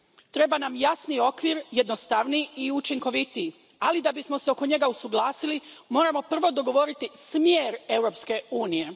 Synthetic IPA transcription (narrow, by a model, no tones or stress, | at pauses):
t̪ɾe̞banamjasnio̞kʋiːɾjed̪nost̪aʋniiut͡ʃiŋko̞ʋit̪i | alid̪abismo̞seo̞ko̞ɲe̞ɡausuɡlˠaːsilimo̞ːɾamo̞pr̩ʋo̞d̪o̞ɡo̞ʋo̞ɾit̪ismjeːɾe̞wɾo̞ːpske̞uːnije̞